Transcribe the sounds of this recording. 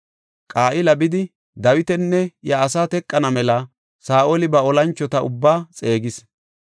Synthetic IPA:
kʼaːʔɪlɐbɪd̪ɪ | d̪ɐwɪt̪ɛnːɛjɐːsaːt̪ɛkʼːɐnɐmɛlɐ | saːʔolɪbɐɔlɐnt͡ʃːɔt̪ɐʔʊ̰bːaːt͡sʼe̞ːɡɪs

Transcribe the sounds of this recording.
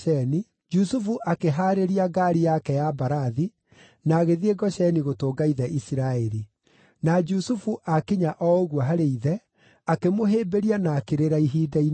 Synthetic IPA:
ɛni | d͡ʒusufuʔakeɦaːɾeɾiaɡaɾijakɛjabaɾaði | naːɣeðieɡɔʃɛniɣotoːɡaiðɛʔisiɾaeɾi | nad͡ʒusufuʔakiɲaʔɔoɣwɔɦaɾeiðɛ | akemoɦeːbeɾianaːkeɾeɾaiɦiːdain

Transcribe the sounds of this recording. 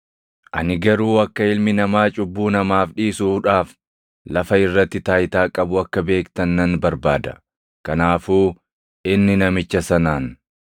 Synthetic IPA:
ʔɐnɪɡɐɾuːɐkːɐɪlmɪnɐmaːt͡ʃʼʊbːuːnɐmaːfᶑiːsuᶑaːf | lɐfɐɪrːɐt̪ːɪt̪aːjt̪aːkʼɐbʊɐkːɐbe̞ːkt̪ɐnːɐnbɐɾbaːd̪ɐ̥̰ | kɐnaːfuː | ʔɪnːɪnɐmɪt͡ʃːɐsɐnaːn

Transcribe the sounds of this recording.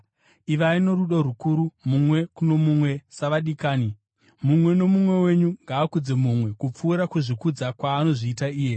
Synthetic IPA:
iʋaino̞ɾuɗoɾukuɾumumwe̞kuno̞mumwe̞saʋaɗikaːni | mumwe̞no̞mumwe̞we̞ɲuŋɡaːkud͡ze̞mumwe̞kup͡fuːɾakuʐikud͡zakwaːno̞ʐiːtaiːje̞

